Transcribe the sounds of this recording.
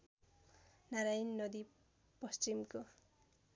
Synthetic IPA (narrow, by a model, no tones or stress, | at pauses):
naɾajnːʌd̪i | pʌst͡ɕimko